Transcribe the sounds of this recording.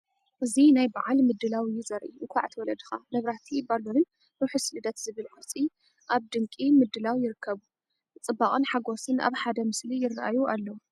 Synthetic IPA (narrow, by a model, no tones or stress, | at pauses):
ʔɨzinajbaʕalmɨd̪ːɨlawjɪzɐɾʔuʔɨkʰa̰ʕt̪ʰwɔlɐd̪ɨxamɐβɾat̪ʰibalunɨn | ɾuħusɨlɨd̪ɐt̪zɨβɨlʕat͡sʼi | ʔaβd̪ɨŋkʼimɨd̪ːɨlawjɪɾɨkʰːɐβu | ɨt͡sʼɨbːakʼɨnħaɡo̞sɨnʔa̰βħad̪ɐmɨslijɪrːʔajuʔalːɐwu